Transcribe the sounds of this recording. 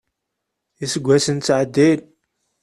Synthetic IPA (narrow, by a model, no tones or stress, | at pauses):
isəɡʷːæsənt͡sːʕəd̪ːil